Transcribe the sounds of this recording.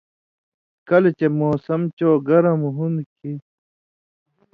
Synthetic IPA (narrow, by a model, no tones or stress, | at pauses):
kɐlet͡ɕemoːsɐmt͡ɕoːɡɐɾɐmɦunki